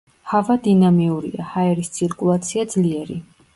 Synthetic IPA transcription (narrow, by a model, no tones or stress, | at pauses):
havad̪inamiuɾḭa̰haɛɾist̪sʰiɾkʼulˠat̪sʰiad̪zliɛɾḭ